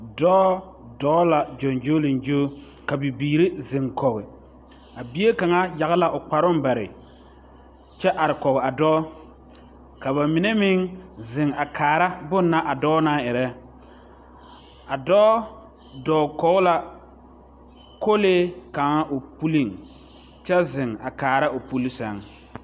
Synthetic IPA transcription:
dɔː˦ | dɔː˦la˨d͡ʒɔ˨nd͡ʒo˦li˨nd͡ʒoː˦ | ka˨bi˨biː˨ɾɪ˦zɪ˨ŋkɔ˨ɣɪ˨ | a˨bi˦e˦ka˨ŋa˦ja˨ɣɪ˦la˨ʔʊ˨k͡pa˨ɾʊ˦m˦ba˨ɾɪ̰˨ | t͡ʃɛ˦ʔa˨ɾɪ˨kɔ˨ɣɪ˨a˨dɔː˦ | ka˨βa˨mi˨ne˦mɪ˦ŋzɪ˨ŋa˨kʰaː˨ɾa˦bʊ˦nː˦a˦ʔa˨dɔː˦naː˦ɛ˨ɾɛ˦ | a˨dɔː˦ | dɔː˨kɔ˨ɣʊ˦la˨ | ko˦leː˦ka˨ŋa˦ʔo˨pu˦li˦˨ŋ | t͡ʃɛ˦zɪ˨ŋa̰˨kaː˨ɾa˦ʔo˨pu˦li˦sɛ˨˦ŋ

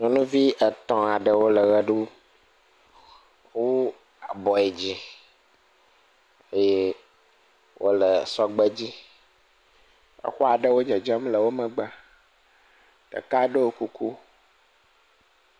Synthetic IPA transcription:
nɔ̃˨nũ˦vi˦ʔə˨t̪ɔ̃˨a˨ɖə˨wo˦lə˨ɣə˦ɖu˦ | wo˦ | a˨bɔ˨ɛ˨d͡ʑi˦ | e˦je˦ | wʔo̰˦lə˨sɔ˦ɡ͡bə˦d͡ʑi˦ | ḛ˨xɔ˦a˨ɖə˦wo˦d͡ʒɛ˨d͡ʒɛ˦mlə˨wo˦mə̃˨ɡ͡ba˨ | t̪ə̰˨ka˦ɖə˦wo˦ku˦ku˦

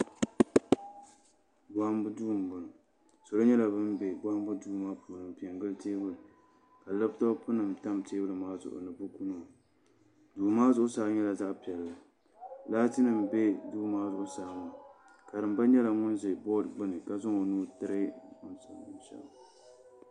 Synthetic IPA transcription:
ɡ͡ba˦hmbɨ˦duː˦˨m˨bɨ˨n˨ | so˨lo˦ɲɛ˦la˨bɨ˦mbe˨ɡ͡ba˦hmbɨ˦duː˦˨maː˦pʰuː˨nɨ˨mpi˨ɛ˨ŋɡɨ˦lteː˦bɨ˦lɨ˨ | ka˨lɨ˦btɔ˦pʊ˦nɨ˨mta˦mteː˦bɨ˦lɨ˨maː˦zʊ̰˨ʔʊ̰˨nɨ˨bʊ˦ku˦no˨ | duː˨maː˦zʊ˨˦ʔʊ˦saː˨˦ɲɛ˦la˨za˦ʔpi˨ɛ˨lːɨ˨ | laː˦ti˦nɨ˨m˨be˦duː˦maː˦zʊ˨ʔʊ˦saː˨˦mʊ˨ | ka˨dɨ˨mba˦ɲɛ˦la˨ŋʊ˦nzɨ˨bɔ˦dɡ͡bɨ˦nɨ˨ka˨zɔ˦ŋo˨nuː˦tɨ˦ɾɨ˦˨˦ʊ˦nsa̰˨˦ʃɛ̰˨ba˨

